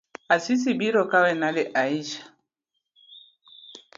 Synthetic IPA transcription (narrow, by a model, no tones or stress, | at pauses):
asis̬ibiɾɔkawɛnaleʔaiʃḁ